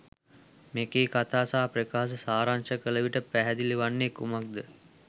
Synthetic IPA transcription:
mekeːkat̪aːsaːprekaːs̬əsaːɾanʃəkələʋiʈəpæɦɛd̪iliʋanːekumak̚d̪ə

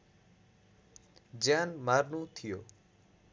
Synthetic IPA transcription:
d͡ʒaːnmaːɾnõːt̪ʰɪjoː

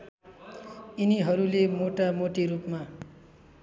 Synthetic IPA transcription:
iniɦʌɾulemoʈamoʈiɾupma

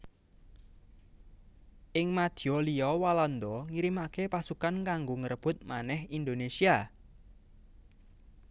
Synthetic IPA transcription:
ʔɪŋmad̪̥i̤ɔliɔwalɔnd̪ɔŋiɾimakepasukankaŋɡoŋəɾəb̥ʊt̪̚manɛhind̪onesia

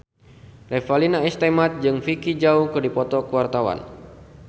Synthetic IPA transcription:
rɛfalinaist̪emat̪̚d͡ʒɨŋfikid͡ʒaukɨrdipɔt̪ɔkəwart̪awa̰n

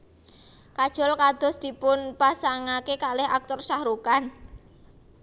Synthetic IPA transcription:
kad̥ʒ̥ɔ̤lkad̪̥ɔ̤sd̪̥i̤pʊnpasaŋakekalɪha̰k̚t̪ɔrsahɾukan

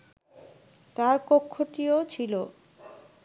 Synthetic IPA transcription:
t̪aɾkokʰːoʈiot͡ɕʰilo

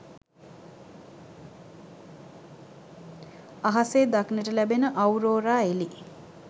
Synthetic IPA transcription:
aɦaseːd̪aknəʈəlæbenəʔawɾoːɾaːeli

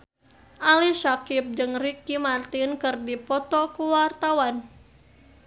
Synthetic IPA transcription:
ʔalisakip̚d͡ʒɨŋrikimart̪inkɨrdipɔt̪ɔkuwart̪awan

